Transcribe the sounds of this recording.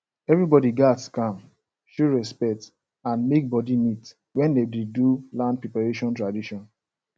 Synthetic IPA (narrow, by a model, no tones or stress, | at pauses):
ɛvɹibɔdiɡatskãm | ʃuɹɛspɛk̚t | ãnmek̚bɔdinit | wɛ̃ndedidulãnd̚pepaɹeʃɔ̃ntɹadiʃɔ̃n